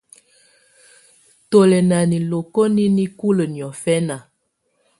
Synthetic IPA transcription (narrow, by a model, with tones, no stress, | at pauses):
to˨lɛ˨na˨ni˨lo˨ko˦ni˦ni˦ku˦lə˨njɔ˨fɛ˦na˨